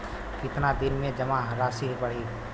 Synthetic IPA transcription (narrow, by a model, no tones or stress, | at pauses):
kɪt̪nad̪ɪnmẽd͡ʒɐmãɦɾaːsiɦbɐɽ̤i